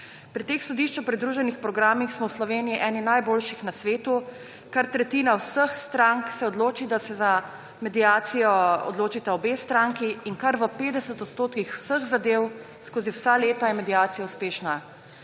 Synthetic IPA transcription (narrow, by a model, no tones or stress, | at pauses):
pɾit̪eːxsɔd̪iʃt͡ʃopɾid̪ɾuːʒɛnixpɾɔɡɾaːmixsmɔwslɔʋeːnijiʔɛːninajboːlʃixnasʋeːt̪u | kaɾt̪ɾɛt̪iːnawsəxst̪ɾaŋksɛɔd̪loːt͡ʃid̪asɛza | mɛd̪ijaːt̪sijɔɔ̰d̪loːt͡ʃit̪aɔbeːst̪ɾaŋkiːnkaɾʋəpeːd̪ɛsət̪ɔt̪st̪oːt̪kixw̥səxzad̪eːw | skoːziwsaleːt̪ajɛmɛd̪ijaːt̪sijauspeːʃna